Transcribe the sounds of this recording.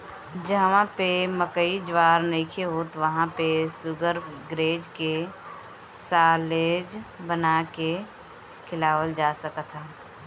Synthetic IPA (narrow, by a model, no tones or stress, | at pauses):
d͡ʒəɦʋãpeməkəid͡ʒʋaːɾneːkʰeɦot̪ʋəɦãpesʊɡəɾɡɾeːd͡ʒke | saːleːd͡ʒbənake | kʰɪlaːʋəld͡ʒaːsəkət̪ʰə